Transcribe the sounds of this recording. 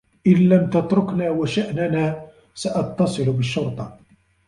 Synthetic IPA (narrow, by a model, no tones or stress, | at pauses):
ʔɪnlamt̪ɑt̪ɾʊknaːwaʃaʔnanaː | saʔɑt̪ːɑsˤɨlbəʃːʊɾt̪ˤɑ